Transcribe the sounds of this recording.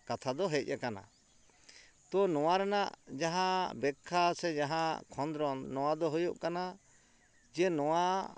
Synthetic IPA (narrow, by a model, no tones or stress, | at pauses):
kat̪ʰad̪ɔɦɛc̚ˀʔakana̰ | t̪ɔnɔw̃aɾɛnaʔd͡ʒaɦãbɛkʰːasɛd͡ʒaɦãkʰɔnd̪ɾɔnːɔw̃ad̪ɔɦojuʔkana | d͡ʒɛnɔw̃a